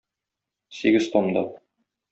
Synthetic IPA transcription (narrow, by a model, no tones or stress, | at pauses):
siɡɘzt̪omd̪ɑ̰